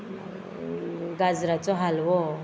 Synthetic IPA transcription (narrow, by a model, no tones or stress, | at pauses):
ɡad͡zɾat͡sɔɦalwɔ